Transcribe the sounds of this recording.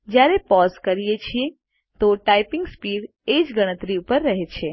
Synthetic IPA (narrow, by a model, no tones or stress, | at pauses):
d͡ʒjaɾepɔzkəɾijet͡ʃʰie | t̪oʈaipɪ̃ŋɡspiɽ | ed͡ʒɡəɽ̃ət̪ɾiupəɾːəɦet͡ʃʰe